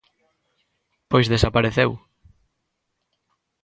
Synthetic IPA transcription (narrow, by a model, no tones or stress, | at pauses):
pojszðesapaɾeθew